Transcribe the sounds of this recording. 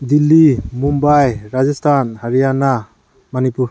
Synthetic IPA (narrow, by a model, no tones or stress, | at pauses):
d̪ilːimumbajɾad͡ʒɔstʰanhaɾijana | manipuɾ